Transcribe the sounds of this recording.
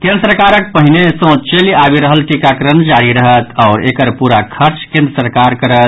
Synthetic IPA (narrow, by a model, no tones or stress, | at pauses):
kẽnd̪ɾəsəɾkaɾək̚pəɦinesə̃t͡ʃeliabiɾəɦəlʈikakɾənd͡ʒaɾiɾəɦət̪ɔʊɾekəɾpuɾakʰəɾt͡ʃkẽnd̪ɾəsəɾkaɾkəɾət̪̚